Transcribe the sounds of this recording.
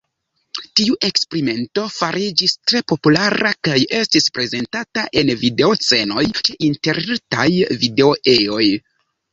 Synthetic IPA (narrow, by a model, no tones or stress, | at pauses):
tiuʔe̞kspeɾime̞nto̞faɾid͡ʒistɾe̞po̞pulaɾakaje̞stispɾe̞ze̞ntataʔe̞nvide̞ot͡se̞no̞jt͡ʃeʔinte̞ɾɾtajvide̞oʔeo̞j